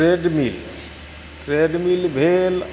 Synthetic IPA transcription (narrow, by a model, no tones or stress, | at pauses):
eːɖmil | t̪ɾeɖmilbʱeːl